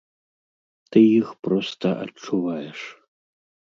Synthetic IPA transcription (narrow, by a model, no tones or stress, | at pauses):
t̪ɨjixpɾɔst̪ɐʔɐ̰t͡ʂːuvajɛʂ